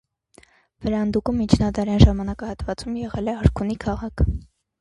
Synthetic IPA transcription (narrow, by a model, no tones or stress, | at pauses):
vəɾɑnd̪ukumːit͡ʃʰnɑd̪ɑɾjɑnʒɑmɑnɑkɑhɑt̪vɑt͡sumjɛʁɛlɛɑɾkʰunikʰɑʁɑkʰ